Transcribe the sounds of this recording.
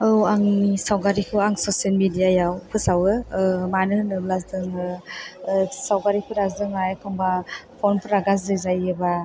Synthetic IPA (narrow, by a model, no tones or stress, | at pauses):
ɯwaŋsawɡaɾikʰɯaŋsosielmidijajawpʰɯsawɯmanɯnɯblasdɯŋɯ | sawɡaɾikʰɯɾasdɯŋajkʰɔŋbapʰɔnpʰɯɾaɡas̬dɯzajɯba